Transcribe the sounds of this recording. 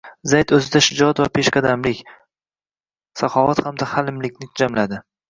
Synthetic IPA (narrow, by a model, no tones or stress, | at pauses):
zajt̪ɵzɪd̪aʃɪd͡ʒɒt̪vapʰeʃqɑd̪amlɪkʲ | saqɒvat̪hamd̪ahalɪmlɪkʲnɪkʰʊd͡ʒamlad̪ɪ